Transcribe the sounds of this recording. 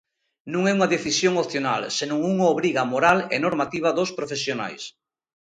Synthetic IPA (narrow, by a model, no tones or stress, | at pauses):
nũŋɛuŋaðeθisjoŋopθjona̰lsenũŋuŋaoβɾiɣamoɾalḛnoɾmat̪iβaðospɾofesjona̰js